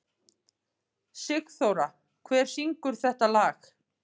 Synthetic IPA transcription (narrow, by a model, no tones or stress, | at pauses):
sɪkθoːwɾa | kʰvɛːɾ̥siŋkʏɾ̥θɛht̪alaːx